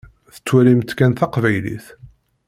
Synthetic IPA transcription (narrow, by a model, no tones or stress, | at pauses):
θə̥t͡sːwælimt̪kænθɑqvæjlḭθ